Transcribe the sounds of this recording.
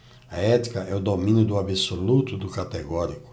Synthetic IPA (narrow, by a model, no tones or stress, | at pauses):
ɐɛt̪i̥kɐɛʊd̪omĩnjʊd̪ʊabisolut̪ʊd̪ʊkat̪eɡɔɾikʊ̥